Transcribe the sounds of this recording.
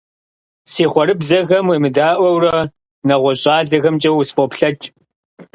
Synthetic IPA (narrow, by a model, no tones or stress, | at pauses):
siːχʷɔɾɨbzɐɣɐmwemɨdaːʔʷɐwrɐ | nɐʁʷɔɕʼaːɮɐɣɐmt͡ʃʼɐwʊsfoːpɬɐt͡ʃʼ